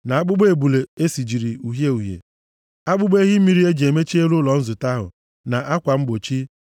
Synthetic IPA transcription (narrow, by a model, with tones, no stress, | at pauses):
na˨a˦ɡ͡bʊ˦ɡ͡be˨bu˨le˨e˦si˨d͡ʒi˨ɾi˨u˨ɦje˦u˨ɦjḛ˨ | a˦ɡ͡bʊ˦ɡ͡be˦ɦi˦m̩˦mi˨ɾi˦e˦d͡ʒe˨me˦t͡ʃi˦e˦ɾʊ˦lɔ˨n̩˦zʊ˨ta˦ɦʊ̰˨ | na˨ʔa˦kʷa˨m̩˦ɡ͡bo˨t͡ʃi˦